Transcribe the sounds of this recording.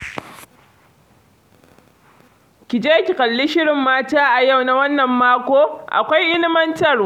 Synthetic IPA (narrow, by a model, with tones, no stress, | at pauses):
kʲɪ˨d͡ʒeː˦kʲi˨kʼɐ˨lːɪ˦ʃɪ˦ɽɪ˨mːaː˦taː˦ʔa˨ja˦˨wna˦wɐ˦nːɐ˨mːaː˦kʷoː˦ʔa̰˨kʷa˦jʔɪ˦nɪ˦mɐ˦ntɐ˨r